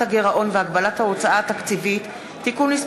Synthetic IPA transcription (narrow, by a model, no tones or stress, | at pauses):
aɡeʁaʔo̞nveaɡbalathao̞t͡saaːt̪akt͡sivit̪ː | ikunlis